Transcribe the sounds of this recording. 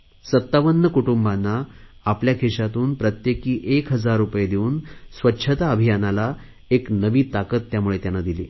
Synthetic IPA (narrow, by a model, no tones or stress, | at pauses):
sət̪ːaʋənːəkuʈumbanːaː | pljakʰeɕat̪uːnpɾət̪jekiːʔekɦəd͡zaɾːupəjed̪euːnsʋətːɕʰət̪aəbʱijanala | eknəʋiːt̪akət̪ːjamuɭet̪janːad̪iliː